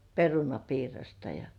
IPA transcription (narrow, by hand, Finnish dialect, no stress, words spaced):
perunɑpiːrɑstɑ jɑ